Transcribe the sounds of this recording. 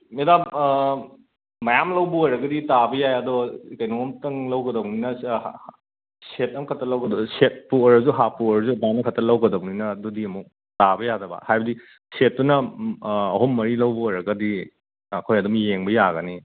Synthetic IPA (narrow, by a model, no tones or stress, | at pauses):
medam | ɐjamlɐwbɐojɾɐɡɐditabɐjajɐdɔkɐjnomtɐŋlɐwɡɐdɐwninɐ | set̚ɐmkʰɐtʰɐlɐwɡɐdɔset̚puoɾɐzuɦapuɔɾɐzubanɐkʰɐtʰɐlɐwɡɐdɐwninɐːdɔdiɐmuk̚ | tabɐjadɐbɐ̰hajbɐdi | set̚ːunɐː | ɦomːɐɾilɐwbɐojɾɐɡɐdi | ɐkʰojɐdumjeŋbɐjaɡɐni